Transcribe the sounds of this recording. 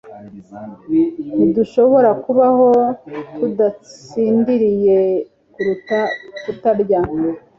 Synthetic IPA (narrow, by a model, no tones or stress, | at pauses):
niduʃo̞βo̞ɾakuβaho̞tʰudat͡siːndiɾije̞ | kuɾutatutaɾɟa